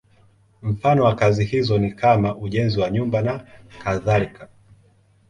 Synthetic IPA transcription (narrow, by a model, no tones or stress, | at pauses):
m̩fanɔwakazihizɔnikamaʔuʄɛnziwaɲumbanakaðalika